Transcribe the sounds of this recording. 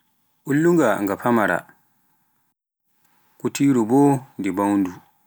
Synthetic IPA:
ʔulːuŋɡaŋɡafamaɾa̰ | kutiːɾubɔndibawndu

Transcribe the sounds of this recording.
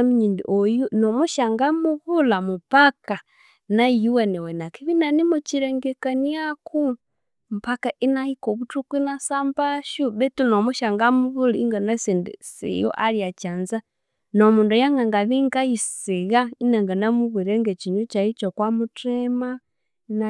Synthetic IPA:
amiɲindḭʔojunomuʃaŋɡamuβulamupaka | naijiwenewenakiβinanimut͡ʃiɾeŋɡekaniakʰu | mupakaʔinahikoβutukuinasambaʃuβetunomuʃaŋɡamuβuliŋɡanasindisḭjo̰ʔaljat͡ʃanza | nomuːndojaŋɡaŋɡaβiŋɡajisiɣainaŋɡanamuβiɾeŋɡet͡ʃiɲut͡ʃait͡ʃokwamutema | na

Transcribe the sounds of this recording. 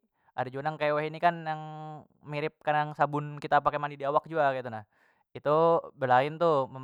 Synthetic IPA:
ʔadad͡ʒuanaŋkajaweɦinikanjaŋ | miɾɪp̚kanaŋsabʊnkit̪apakemanidiawak̚d͡ʒuɡakait̪̬unah | it̪ubəlaɪnt̪uməm

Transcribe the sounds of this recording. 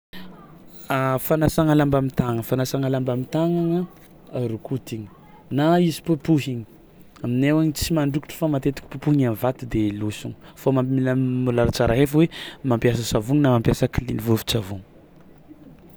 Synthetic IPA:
afanasaŋalambamit̪aŋəfanasaŋalambamit̪aŋaŋə | ɾukut̪iɲi̥ | naizi̥pupuɦiɲi̥ | aminewaɲit͡simaɳɖ͡ʐuki̥ʈ͡ʂə̥famat̪et̪i̥kʲi̥pupuɦiɲanvat̪ud̪elusuŋfamailamulaɾat͡saɾaɦefwemampjasəsavuŋinamampjasakilinivufi̥t͡savuŋə̥

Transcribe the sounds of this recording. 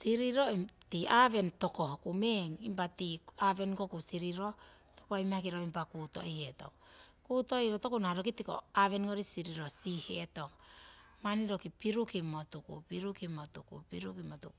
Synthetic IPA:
siɾiɾotiaβe̞nto̞ko̞hokumeŋimpatiaβe̞nkokusiɾiɾo̞ | topoaimak̬iɾoimpakuto̞̰ʔieto̞̰ŋkuto̞iɾoto̞kunaɾokitiko̰aβe̞nŋoɾisiɾiɾo̞siheto̞ŋ | maniɾo̞kipiɾukimo̞tukṵpiɾukimotukṵpiɾukimotuku

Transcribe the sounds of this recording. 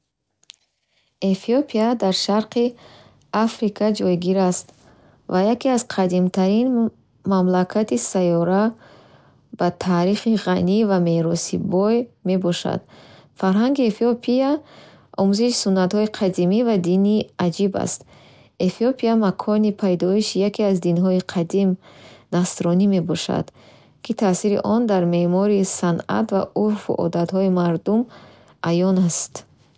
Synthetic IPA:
efiopʰiad̪aɾʃaɾqʰi | afɾikʰad͡ʒɔjɡiɾast̪ | vajakiaz̥qʰad̪imt̪ʰaɾin | mamlakʰat̪isajɔɾa | b̥at̪ʰaːɾiχiʁanivame̞ɾɔsḭbɔjme̞bɔʃa̰d̪̥faɾɦaŋɡiefiopʰia | ɔmuziʃi̥sunːat̪hɔiqʰad̪imivad̪iniad͡ʒiba̰st̪ | efiopʰiamakʰɔnipʰajd̪ɔiʃijakʰiazd̪inɦɔiqʰad̪imnasɾɔnime̞bɔʃa̰d̪̥ | kʰit̪ʰasiɾḭʔɔnd̪aɾme̞mɔɾisana̰t̪va̰ʔuɾfṵʔɔ̰d̪at̪hɔimaɾd̪um | ʔajɔnast̪

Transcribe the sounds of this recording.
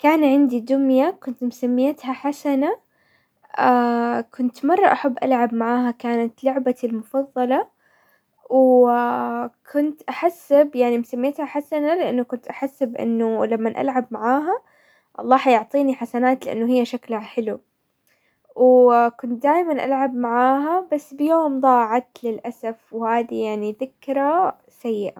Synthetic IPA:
kaːnʕɪnd̪id̪ʊmjakʊnt̪mʊsamːɪjat̪haħasana | akʰʊnt̪mɑrˤːɑʔaħabːʔa̰lʕabmaʕaːɦakaːnat̪lʊʕbalmʊfɑðˤːɑlɑ | w | kʰʊnt̪ʔaħasːɪbjaʕnimʊsamːɪjat̪haħasanalɪʔanːʊkʊnt̪ʔaħasːɪbʔɪ̰nːʊlamːanʔa̰lʕabmaʕaːɦa | ʔɑ̰lˤːɑːħɑjʊʕt̪ˤiːniħasanaːt̪lɪʔa̰nːʊɦɪjːaʃaklhaħɪlu | wkʊnt̪̚d̪aːjmanʔa̰lʕabmaʕaːɦabasːbɪjoːmd̪ˤɑːʕat̪lɪlʔasafwhaːðijaʕniðɪkɾˤa | sajːɪʔa

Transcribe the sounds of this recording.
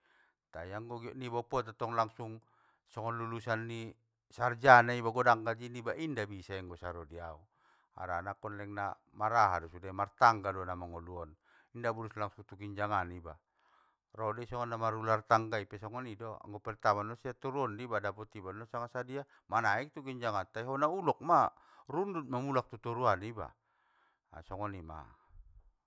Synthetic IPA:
t̪aiaŋɡɔɡiɔʔnibɔpɔt̪at̪ɔŋlaŋsuŋ | sɔŋɔnlulusanːi | sard͡ʒanaibaɡɔdaŋɡad͡ʒinibaʔindabisaiŋɡɔsaɾɔdiau | a̰ɾanakɔnlɛŋna | maɾaɦa̰dɔsudamart̪aŋɡadɔanamaŋɔluɔn | indabuɾuslaŋsuŋt̪ukiɲd͡ʒaŋaniba | rɔdisɔŋɔnːamaɾulart̪aŋɡaipɛsɔŋɔnidɔa̰ŋɡɔpɛrt̪amanɔsiat̪uɾuɔndibadapɔt̪ibandɔsaŋasadia | manaik̚t̪ukiɲd͡ʒaŋant̪aiɦɔnaulɔk̚ma | rundut̪̚mamulak̚t̪ut̪uɾuaniba̰ | sɔŋɔnima̰

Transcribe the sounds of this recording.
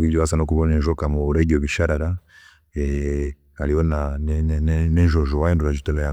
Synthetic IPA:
ivjɔβasanɔkuβɔnɛʒɔkamɔːɾɛɡiɔβiʃaɾaɾa | ɛ | aliɔnannɛnʒɔʒɔwajɛnduaʒutɛlɔja

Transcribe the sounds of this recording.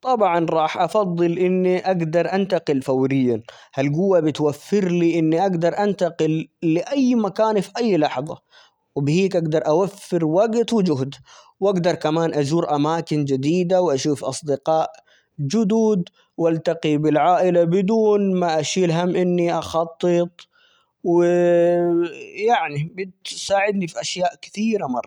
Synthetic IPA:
t̪ˤɑbʕɑnɾˤɑːħʔɑfɑðˤːɨlʔɪnːiʔaɡd̪ɑɾˤʔant̪aqɪlfawɾɪjːan | halɡʊwːabɪt̪wafːɪɾliʔɪnːiʔaɡd̪ɑɾˤʔant̪aqɪlːɪʔajːmakaːnfiʔajːlɑħðˤɑ̰ | wɪbɪhiːkʔaɡd̪ɑɾˤʔawafːɪɾwaɡt̪wɪd͡ʒʊɦd̪wʔaɡd̪ɑɾˤkamaːnʔad͡ʒuːɾʔamaːkɪnd͡ʒad̪iːd̪awʔaʃuːfʔɑ̰sˤd̪ɪqɑːʔ | d͡ʒʊd̪uːd̪ | wʔalt̪ɑqibɪlʕaːʔɪlabɪd̪uːnmaʔaʃiːlɦamːʔɪnːiʔɑxɑt̪ˤːɨt̪ˤ | wɪ | jaʕnibɪt̪saːʕɪd̪nifiʔaʃjaːʔkɪ̥θiːɾamɑrˤːɑ

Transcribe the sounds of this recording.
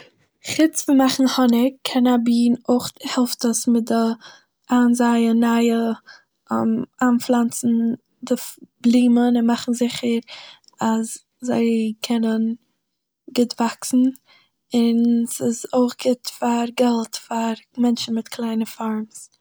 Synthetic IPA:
χɪt͡sfəmaχn̩hɔnɪkʰːɛnabiːnoχhɛlˠftəsmɪt̚dɪ | ʔaːnzaɪənaɪə | maːnflˠant͡sn̩ | dɪfb̥lˠiːmənɪnmaχn̩zɪχəɾ | as | zaɪkʰɛnən | ɡɪtv̥aksn̩ | ɪnsɪzoɪχɡ̥ɪtfaɾɡɛlˠtfaɾmɛnʃn̩mɪtkʰlˠaɪnəfaɾms

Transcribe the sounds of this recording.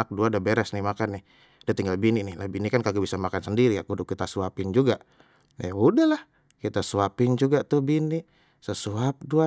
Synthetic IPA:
ak̚duadabeɾɛsnɪhmakanːɪh | dat̪iŋɡalbininɪhlabinikankaɡubisamakansəndiɾiakudʊkːit̪asuapɪnd͡ʒuɡaʔ | audahlah | kit̪asuapɪnd͡ʒuɡat̪ʊhbiniʔ | səsuap̚dua

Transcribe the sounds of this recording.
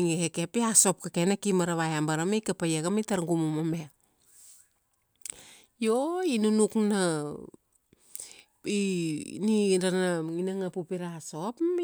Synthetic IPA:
ŋekekepiaso̞p̚kakenakimaɾaβajambaɾamejkapajakamitaɾŋɡumumame | joinunukna | iniɾanaŋinaŋapupiɾaso̞p

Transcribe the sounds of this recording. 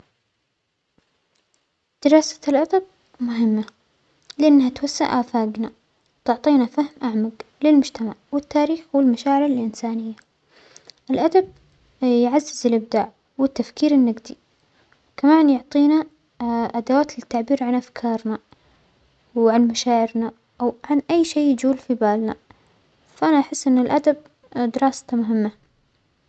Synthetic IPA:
d̪̥ɪɾˤɑːsḁlʔad̪ab̚ | mʊɦɪmːa | lɪʔanːhat̪wasːa̰ʔaːfaːɡna | wt̪ʊʕt̪ˤiːnafahmʔaʕmaɡlɪlmʊd͡ʒt̪amaʕwɪt̪ːaːɾiːxwɪlmaʃaːʕɪɾɪlʔɪnsaːnɪjːa | ʔɪlʔad̪ab̚ | jʕazːɪzɪlʔɪb̚d̪aːʕ | wɪt̪ːafkiːɾɪnːaɡd̪i | kamaːnjʊʕt̪ˤiːna | ʔad̪awaːt̪lɪt̪ːaʕbiːɾʕanʔafkʰɑːɾˤna | wʕanmaʃaːʕɪɾna | ʔawʕanʔajːʃeːd͡ʒuːlfibaːlna̰ | faʔanaʔaħɪsːʔɪnːɪlʔad̪ab̚ | d̪ɪɾɑːst̪mʊɦɪmːa

